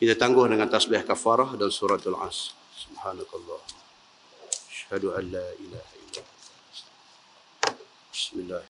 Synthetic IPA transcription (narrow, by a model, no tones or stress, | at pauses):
kit̪at̪aŋɡʊhdəŋant̪asbihkafaɾahdansuɾat̪alʕa̰s | subhaːnakɑlˤːɑh | aʃhaduʔanːaʔilahaʔḭlːa̰ | ast̪a | bɪsmilːah